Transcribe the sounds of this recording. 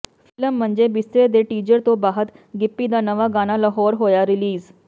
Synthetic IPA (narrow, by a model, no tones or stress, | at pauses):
fɪləm̤ːəɳd͡zebist̪ɾed̪eʈiːd͡ʑəɾt̪obaːɦət̪ | ɡipːid̪anəʋaɡaːñaləɦɔːɾɦojaɾiliːz